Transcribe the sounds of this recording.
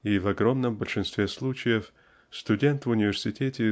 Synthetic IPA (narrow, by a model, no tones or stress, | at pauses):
ivɐɡɾo̞mnəmbəlʲʂɨnst̪vʲeslˠut͡ɕɪjəf | st̪ʊdʲent̪vʊnʲɪvʲɪrsʲɪtʲetʲɪ